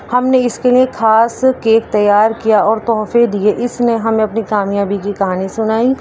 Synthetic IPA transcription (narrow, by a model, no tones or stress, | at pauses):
hɐmneɪskeliekʰaːskeːk̚t̪ɐjːaːɾkijaɔːɾt̪ɔːfed̪ieʔɪsneɦɐmẽɐpnikaːmijaːbikikɐɦaːnisʊnaːi